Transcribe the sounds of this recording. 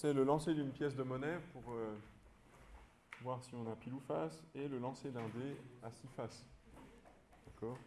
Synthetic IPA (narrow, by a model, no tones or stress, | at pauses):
sɛləlɑ̃sed̪ynpjɛs̬d̪əmɔnɛpuʁø | vwaʁsiɔ̃napilufaseləlɑ̃sed̪ɛ̃d̪easifas | d̪̥akɔːʁ